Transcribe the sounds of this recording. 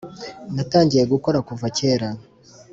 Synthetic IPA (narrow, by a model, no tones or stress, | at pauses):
nataːɲɟije̞ɡuko̞ɾakuvace̞ːɾa